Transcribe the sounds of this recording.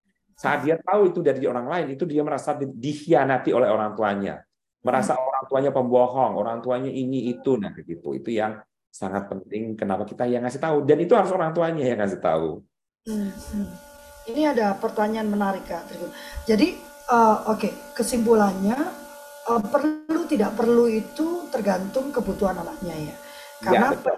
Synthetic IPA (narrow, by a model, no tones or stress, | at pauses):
saʔat̪̚diat̪auit̪udaɾidioɾaŋlaɪnit̪udiaməɾasadidihianat̪iolɛɦoɾaŋt̪uaɲa̰ | məɾasaoɾaŋt̪uaɲapəmbɔɦɔŋo̰ɾaŋt̪uaɲaʔiniːt̪unahɡəɡit̪ṵḭt̪ujaŋ | saŋat̪̚pənt̪ɪŋkənapakit̪ajaŋːasɪht̪audanit̪uɦaɾʊsoɾaŋt̪uaɲajaŋːasɪht̪a̰ṵ | m̩ | iniadapərt̪aɲaanmənaɾɪkːat̪əɾikud͡ʒadi | əokekəsimpulanɲa | ʔəpərlut̪idaʔpərluit̪ut̪ərɡant̪ʊŋkəbut̪uɦananaʔɲaja | kaana